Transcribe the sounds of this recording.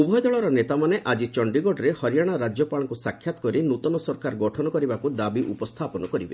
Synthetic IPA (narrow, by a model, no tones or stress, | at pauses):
ubʱɔjɔd̪ɔɭɔɾɔnet̪amaneʔad͡ʒit͡ʃɔɳɖiɡɔɖɾehɔɾijaɽ̃aɾad͡ʒjɔpaɭɔŋkusakʰjat̪ɔ̥kɔɾinut̪ɔnɔsɔɾkaɾɡɔʈʰɔnɔkɔɾibakud̪abiʔupɔst̪ʰapɔnɔkɔɾibe